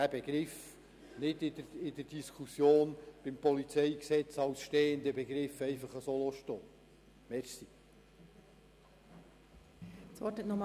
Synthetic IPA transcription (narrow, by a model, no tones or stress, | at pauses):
dæbɛɡɾɪf | nɪd̪ɪdərɪd̪əd̥iskʰusjoːnb̥ɪmpɔlit͡sɛɪksɛt͡sɑwsʃteːənd̪əbɛɡɾɪfɛɪfɑχəsoloʃtoː | mɛɾsi | sʋɔtɪtnɔm